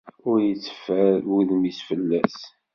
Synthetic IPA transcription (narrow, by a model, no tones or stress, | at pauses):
ʊɾjət͡sːə̥fæuðmisfəlːæs